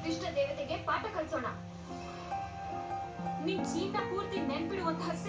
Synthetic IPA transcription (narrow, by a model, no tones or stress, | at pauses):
ɾiʂʈɾɐd̪eːʋɐt̪eɡepaːʈɐkɐɭsoːɳɐ | nint͡ʃiːnːɐpuːɾt̪inenpiɽiʋont̪ɦɐsː